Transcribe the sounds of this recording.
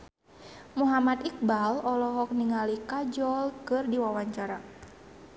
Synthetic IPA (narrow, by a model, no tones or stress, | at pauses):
muɦamat̪ik̚balɔlɔɦɔk̚niŋalikad͡ʒɔlkɨrdiwawaɲt͡ʃaɾa